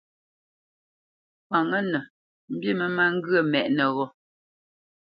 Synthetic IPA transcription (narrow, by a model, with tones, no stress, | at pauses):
pa˨ŋə˦nə˨ | m̩˦bji˦˨mə˦ma˦ŋ̩˦ɡɰə˦˨mɛ˨ʔnə˨ɣɔ˦